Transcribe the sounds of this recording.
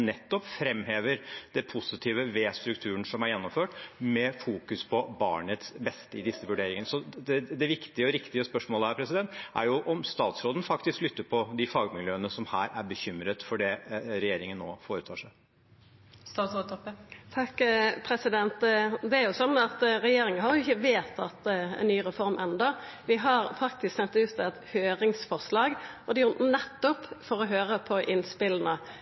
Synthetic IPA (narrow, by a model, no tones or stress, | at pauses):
nɛt̪ːɔpfɾɛmːheːʋəɾd̪̥ɛpʰʊsɪt̪ʰiːʋəʋeːst̪ɾʉkt̪ʰʉːəɳsɔmæɾjɛnːɔmføːʈmɛfuːkʉspʰɔbɑ̰ːɳət̪sbɛst̪əɪd̪ɪsːəʋʉɖeːɾɪŋənəsɔd̪ɛd̪ɛʋɪkt̪ɪəɔɾɪkt̪ɪəspœʂmoːləhæːɾpʰɾɛsɪd̪ɛnt̪æ̰ɾjʊʔɔmst̪ɑːt̪sɾoːd̪ən̩fɑkt̪ɪsklʏt̪ːəɾpʰɔd̪ɪfɑːɡmɪljøːənəsɔmhæːɾæɾbəçʏmɾət̪fɔɖɛɾɛjeːɾɪŋənːo̰ːfoːɾət̪ʰɑːʂæɪ | st̪ɑːsoɔt̪ʰɑkːpʰɾɛsɪd̪ɛnt̪d̪ɛæɾjʊsɔnːɑt̪ɾɛjeːɾɪŋənɦɑɾjʊɪçːəʋeːt̪ɑt̪ɛ̰nnyːʁɛfɔɾmʔɛnd̪ə | ʋɪɦɑɾfɑk̚t̪ɪsksɛnt̪ʉːt̪ɛt̪høːɾɪŋsfɔʁslɑːɡɔd̪ɛjʊnɛt̪ːɔpfɔɾɔɦøːɾəpʰɔʔɪnspɪlːənə